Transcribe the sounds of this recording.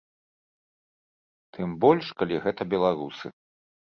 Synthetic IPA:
t̪ʰɨmbɔlʲʂkalʲiɣɛt̪ɐbʲɛlˠaɾusɨ̰

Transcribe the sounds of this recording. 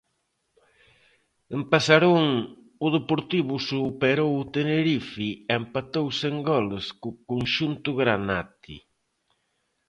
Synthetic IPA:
empasaɾoŋ | ʊðepoɾt̪iβʊsupeɾowʊt̪eneɾifiempat̪owseŋɡɔleskʊkonʃunt̪ʊɣɾana̰t̪ḭ

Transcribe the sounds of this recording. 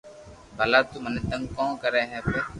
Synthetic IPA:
bɐlat̪umənet̪ə̃ŋkɔ̃ːkəɾɛːɦɛːpe

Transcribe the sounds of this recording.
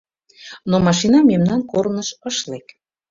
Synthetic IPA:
nomɑʃinɑmemnɑnkoɾnəʃəʃlek

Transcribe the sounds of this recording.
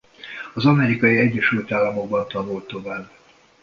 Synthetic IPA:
ɒzɒmɛɾikɒjiɛɟːɛʃylt̪aːlːɒmo̞ɡ̚bɒnt̪ɒvolt̪ːo̞vaːb

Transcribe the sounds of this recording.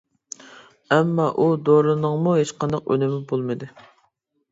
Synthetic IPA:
ɛmːɑʔud̪oɾɨnɨŋmuɦet͡ʃqʰɑnd̪ɑqø̰nɪmɪbolˠmɨd̪ɨ

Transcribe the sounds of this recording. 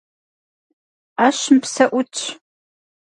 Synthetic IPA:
aːʃɪmpsɐʔʷʊtʼʰ

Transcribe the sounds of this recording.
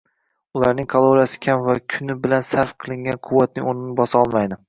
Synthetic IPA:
ʊlˠaɾnɪŋkʰalˠoɾijasɪ̥kʲʰamvakʲʰʊnɪbɪlansaɾfqʰɨlˠɪŋɡʲanqʰʊwːat̪̚nɪonɪnɪbɒsɑɒlˠmajd̪ɪ

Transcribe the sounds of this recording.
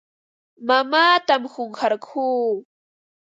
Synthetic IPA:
mamaːt̪amhoŋxaɾkʰuː

